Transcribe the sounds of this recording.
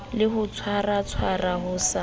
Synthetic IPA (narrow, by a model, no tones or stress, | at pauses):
lɪhʊt͡sʰwarat͡sʰwaraɦʊsa